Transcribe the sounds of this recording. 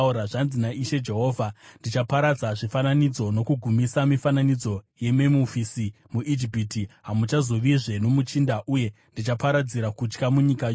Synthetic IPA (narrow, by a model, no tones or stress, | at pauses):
uɾaʐanzinaʔiʃe̞d͡ʒe̞ɦo̞ːvʱandit͡ʃapaɾad͡zaʐifananid͡zo̞no̞kuɡʱumisamifananid͡zo̞je̞memufisi | muʔid͡ʒipitiɦamut͡ʃazo̞ʋiʐe̞no̞mut͡ʃindaʔuje̞ | ndit͡ʃapaɾad͡ziɾakut͡ʃkamuɲikajo